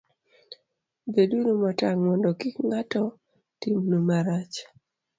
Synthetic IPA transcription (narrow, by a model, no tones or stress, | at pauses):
bedunomataŋmɔndɔkikŋatɔ | timnomaɾat͡ʃ